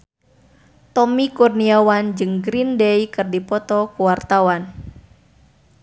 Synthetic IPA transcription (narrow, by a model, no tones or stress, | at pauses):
t̪ɔmikurniawand͡ʒɨŋɡɾindejkɨrdipɔt̪ɔkuwart̪awan